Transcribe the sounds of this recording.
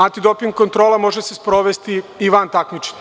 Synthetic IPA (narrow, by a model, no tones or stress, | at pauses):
ant̪id̪opiŋɡko̞nt̪ɾoːlamo̞ʒesespɾoʋest̪iiʋant̪akmit͡ʃe̥